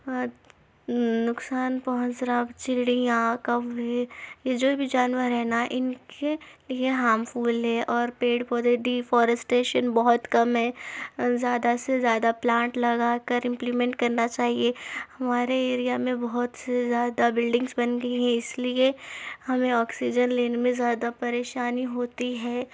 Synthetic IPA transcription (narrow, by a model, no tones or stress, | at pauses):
nʊksaːnpɔɦʊ̃nt͡ʃɾabt͡ʃɪɽijãkɐʋɦɛjed͡ʒoːbʱid͡ʒaːnʋəɾɦɛːnaʔɪnkelieɦaːmfuːlɦɛʔɔːɾpeːɖfɔɾd̪eɖiːfɔːɾəsʈeːʃənbɔɦʊt̪kɐmɦɛːzjaːd̪asezjaːd̪aplãːɳʈlɐɡaːkɐɾɪ̃mplimɛ̃ɳʈkɐɾnat͡ʃaːɦiehɐmaːɾeeːɾijamẽbɐɦʊt̪sezjaːd̪abɪlɖɪ̃ŋɡzbɐnɡɐiɦɛ̃ɪsliehɐmẽɔːksid͡ʒənleːnemẽzjaːd̪apɐɾeːʃaːniɦoːt̪iɦɛː